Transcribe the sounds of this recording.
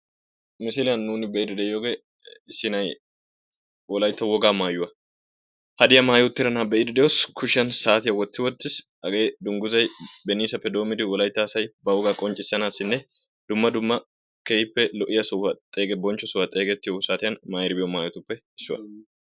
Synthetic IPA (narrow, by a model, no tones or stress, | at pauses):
mɪsɪlɪjɐnːuːnɪbɛʔɪd̪ɛd̪ɛjoːɡe | ɪsːɪnɐj | wɔlɐjt̪ːɐwɔɡaːmaːjʊwɐ | hɐd̪ɪjɐmaːjot̪ːɪɾɐnaːbɛʔɪd̪ɛd̪ɛjoskʰʊʃɪɐnsaːt̪ɪjɐwɔt̪ːɪwɔt̪ːɪs | ɐɡeːd̪ʊŋɡʊzɐjbɛniːsɐpːɛd̪o̞ːmɪd̪ɪwɔlɐjt̪ːɐːsɐjbɐwɔɡaːkʼɔnt͡ʃʼːɪsːɐnaːsɪnːɛ | d̪ʊmːɐd̪ʊmːɐ | kejɪpːɛlɔʔɪjɐsɔɐt̪ʼe̞ːɡɛbɔnt͡ʃːɔsɔwɐt̪ʼeːɡɛt̪ːɪjosaːt̪ɪjɐnmaːjɪɾɪbɪjɔmaːjɔt̪ʊpːɛɪsːʊwɐ̰